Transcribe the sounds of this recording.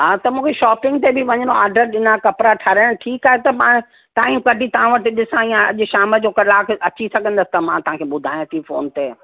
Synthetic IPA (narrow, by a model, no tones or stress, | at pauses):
ɦaːt̪ɐmũːkʰeʃɔːpɪ̃ŋɡt̪ebɪʋɐɲəɳoaːɾɖəɾɗɪnakɐpɾaʈʰɐɾɽ̃ʈʰiːkaːɦet̪ɐmãː | t̪ãːiũkɐɖʱit̪ɐʋãʋɐʈɪɗɪsãijãɐʄʃaːməd͡ʑoːkɐlaːkɐt͡ɕisɐɡʱə̃nd̪əsɪ̥t̪ɐmãt̪ɐʋɦãkʰeɓʊd̪ʱaːj̃t̪ʰifo̰ːnt̪eː